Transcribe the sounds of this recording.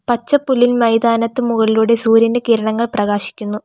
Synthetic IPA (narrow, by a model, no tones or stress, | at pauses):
pɐt͡ɕːɐpːulːilmɐjd̪aːnɐt̪ːɨmuɣɐɭiluɽe̞suːɾinde̞kiːɾɐɳɐŋːɐɭprɐɣaːɕi̥kʲːunːu